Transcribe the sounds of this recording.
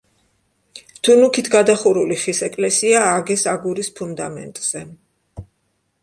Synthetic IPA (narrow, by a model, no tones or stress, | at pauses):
t̪ʰunukʰit̪ʰɡad̪aχuɾuliχisɛkʼlɛsiaːɡɛsaɡuɾispʰund̪a̰mɛ̰nt̪ʼz̥ɛ